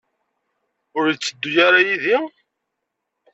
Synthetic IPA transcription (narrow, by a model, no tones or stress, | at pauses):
ʊɾjt͡sːəd̪ːʊjaɾajiði